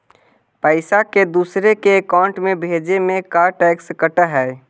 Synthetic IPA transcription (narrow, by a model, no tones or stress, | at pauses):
pəɪsaked̪uːsɾekeːkaːʊ̃ɳʈmẽbʱeːd͡ʒemẽkaːɾʈɛːkskəʈaɦɛː